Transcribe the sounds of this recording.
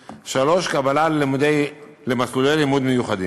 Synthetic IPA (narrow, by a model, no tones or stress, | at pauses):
ʃalo̞ʃkabalald̪e | lemaslulejlimud̪mejuχad̪ḭm